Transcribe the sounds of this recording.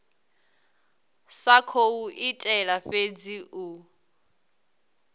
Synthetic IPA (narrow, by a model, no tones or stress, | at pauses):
sakʰouʔitʼɛlaɸed͡ziʔu